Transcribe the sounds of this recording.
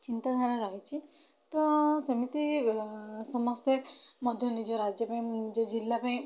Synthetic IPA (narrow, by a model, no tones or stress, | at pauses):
t͡ʃint̪ad̪ʱaɾ̃aɾaɦit͡ʃʰi | t̪ɔsʌmit̪i | sɔmɔst̪emʌd̪ʱjɔnid͡ʒɔɾad͡ʒjɔpaĩd͡ʒɔd͡ʒilːapaĩ